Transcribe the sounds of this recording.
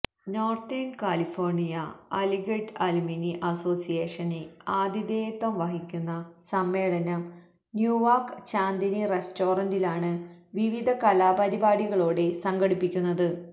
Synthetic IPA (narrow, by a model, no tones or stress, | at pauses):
no̞ːrt̪inkaːlifo̞ːrɳijɐɐliɡeʈɐluminiʔɐso̞ːsijeːʂɐneaːd̪id̪eːjt̪ːʋɐmʋɐɦikʲːunːɐsɐmːe̞ːɭɐnɐm | njuːʋaːrkt͡ɕaːnd̪iniresto̞ːrɐndilaːɳɨʋiʋid̪ʱɐkɐlaːbɐɾibaːɽiɣɐɭo̞ːɽe̞sɐŋɡɐɽipːikʲːunːɐðɨ